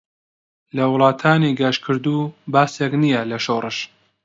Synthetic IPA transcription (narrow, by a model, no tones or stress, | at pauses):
lɐwʊlˠɑːt̪ʰaːniɡaʃkʰɨɾd̪uːbaːseknijɐlɐʃorˤɨʃ